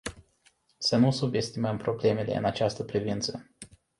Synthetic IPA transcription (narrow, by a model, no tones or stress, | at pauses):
sənusube̞st̪iməmpɾo̞ble̞me̞le̞̰ɨ̰nat͡ʃast̪əpɾivint̪sə